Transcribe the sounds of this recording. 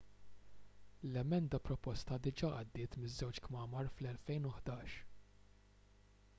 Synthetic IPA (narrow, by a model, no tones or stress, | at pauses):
lɛmɛnd̪ɐpɾɔpɔst̪ɐd̪ɪd͡ʒɐːʔɐd̪ːɪːt̪mɪzːɛwt͡ʃkmɐːmɐɾflɛlfɛjnʊħd̪ɐːʃ